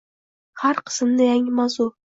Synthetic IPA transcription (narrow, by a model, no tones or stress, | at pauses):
haɾqʰɨ̥smnɪjaŋɪmazʊ